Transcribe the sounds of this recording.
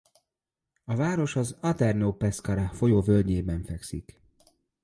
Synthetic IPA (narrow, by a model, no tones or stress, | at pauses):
ɒvaːɾo̞ʃɒzɒt̪ɛrnoːpɛskɒɾɒfo̞joːvøld̪ɲeːbɛɱfɛksḭk